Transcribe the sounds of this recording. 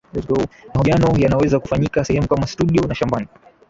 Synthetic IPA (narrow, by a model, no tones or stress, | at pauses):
mahuianɔjanawɛzakufaɲikasɛhɛmukamastuɗiɔnaʃambani